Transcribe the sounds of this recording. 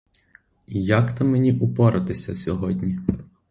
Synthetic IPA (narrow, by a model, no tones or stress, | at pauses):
ijakt̪ɐmenʲiʔʊpɔɾɐt̪ɪsʲɐsʲɔɦɔdʲnʲi